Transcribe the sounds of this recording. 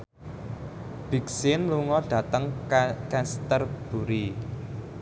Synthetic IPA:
b̥i̤ksɪnluŋɔɖ̥ä̤t̪əŋkɛst̪ərb̥ṳɾi

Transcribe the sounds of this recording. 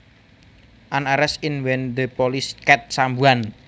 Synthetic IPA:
ʔanaɾɛsɪnwɛnd̪əpɔliskɛt̪̚sambuan

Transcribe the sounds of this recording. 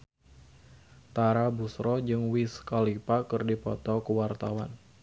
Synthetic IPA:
t̪aɾabusɾɔd͡ʒɨŋwiskalipakɨrdipɔt̪ɔkəwart̪awan

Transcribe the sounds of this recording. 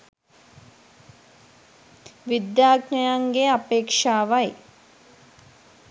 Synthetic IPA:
ʋid̪jaːɡɲɐjaŋɡeɐpeːkʂaːʋɐj

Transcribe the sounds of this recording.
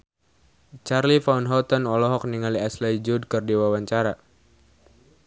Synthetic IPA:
t͡ʃarlifaunɦɔt̪ɔnɔlɔɦɔk̚niŋaliaslajd͡ʒud̚kɨrdiwawaɲt͡ʃaɾa

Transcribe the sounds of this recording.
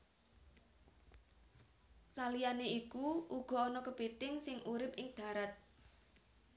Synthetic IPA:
salijaneikuʔuɡ̥ɔ̤ɔnɔkəb̥et̪ɪŋsɪŋʔuɾɪp̚ɪŋd̪̥ä̤ɾat̪̚

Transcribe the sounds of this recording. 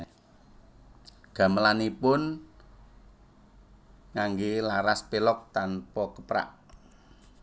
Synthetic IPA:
ɡ̥ä̤məlanipʊn | ŋaŋɡilaɾaspelɔk̚t̪anpɔkəpɾa̰ʔ

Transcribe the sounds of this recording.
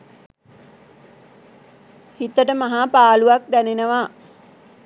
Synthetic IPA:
hit̪əʈəmaɦapaːluʋak̚d̪ænenəʋa

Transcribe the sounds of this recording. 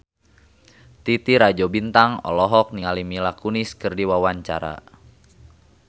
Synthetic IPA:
t̪it̪iɾad͡ʒobint̪aŋɔ̰lɔɦɔk̚niŋalimilakuniskɨrdiwawaɲt͡ʃa̰ɾa̰

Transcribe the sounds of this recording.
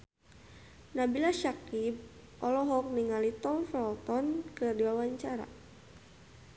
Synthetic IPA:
nabilaʃakib̚ | ʔɔlɔɦɔk̚niŋalit̪ɔŋfɛlt̪ɔnkɨrdiwawaɲt͡ʃaɾa̰

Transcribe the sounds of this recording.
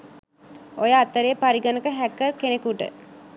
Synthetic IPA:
ojəat̪əɾejpaɾiɡənəkəɦækːərkenekuʈə̰

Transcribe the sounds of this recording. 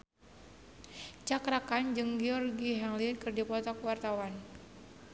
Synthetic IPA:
t͡ʃakɾakand͡ʒɨŋɡɛɔrɡiɦaŋlikɨrdipɔt̪ɔkwart̪awan

